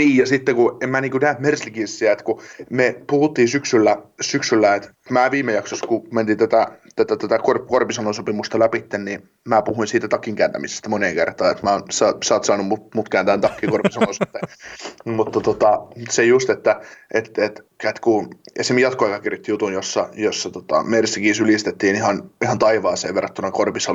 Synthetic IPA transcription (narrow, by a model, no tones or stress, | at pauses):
niːjɑsit̪ːekuemmæːniːŋkunæt̪merslikinsːiæet̪kumepuhut̪ːiːsyksylːæsyksylːæet̪ | mæːʋiːmejɑksoskument̪int̪æt̪æt̪æt̪ːæt̪æt̪ækorkorpisɑnosopimust̪ɑlæpit̪ːenni | mæːpuhuinsiːt̪æt̪ɑkːiŋkæːnt̪æ̰mise̥st̪æmoneŋkert̪ˑɑːet̪mæonsɑsɑːt̪sɑːnumumut̪kæːnt̪æːnt̪ɑkːikorpisɑlosit̪ːe | mut̪ːɑt̪ot̪ɑmt̪sejust̪et̪ːæet̪et̪kæt̪kuesemjɑt̪koɑjkɑkirjot̪ːijut̪unjosːɑjosːɑt̪ot̪ɑ̰meresːækiːsylist̪et̪ːiːnihɑnihɑnt̪ɑiʋɑːseːʋʋerːɑt̪t̪ːuonɑkorpisɑ